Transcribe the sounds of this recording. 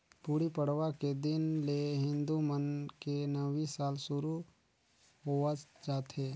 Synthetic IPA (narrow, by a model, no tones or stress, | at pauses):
puːɽipəɽ̤ʋaked̪ɪnleɦɪ̃nd̪umənkenəʋisaːlsʊɾu | ɦoəd͡ʒaːt̪ɦeː